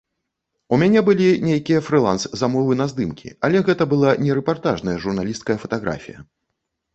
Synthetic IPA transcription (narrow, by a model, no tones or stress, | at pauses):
umʲanʲɛbɨlʲinʲejkʲijɐfɾɨlˠanszamɔvɨnɐzd̪ɨmkʲḭalʲɛɣɛt̪ɐbɨlˠanʲɛɾɛpart̪aʐnɐjɐʐurnalʲist̪̚kɐjɐfɐt̪aɣɾa̰fʲḭjɐ̰